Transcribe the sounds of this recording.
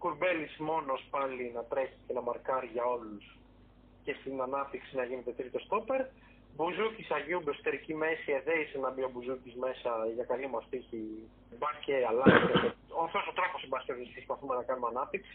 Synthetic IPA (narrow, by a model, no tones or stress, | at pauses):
kuɾbe̞lismo̞nospɐlinɐt̪ɾeçi̥ce̞nɐmɐɾkɐɾiʝɐo̞lus | ce̞st̪inɐnɐp̚t̪iksinɐʝine̞t̪e̞t̪ɾit̪o̞st̪ope̞ɾ | buzucisɐʝiubosot̪e̞ɾicime̞sieðeisenɐbio̞buzucizme̞sɐʝɐkɐlimɐst̪içi | bɐsceɐlɐsit̪eeoft̪osot̪ɾɐxo̞sibɐscozesispɐθume̞nɐkɐnumeɐnɐp̚t̪iksi